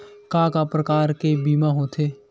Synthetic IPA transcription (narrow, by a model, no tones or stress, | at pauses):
kãːkapɾəkaːɾkebiːmaɦoːt̪ʰeː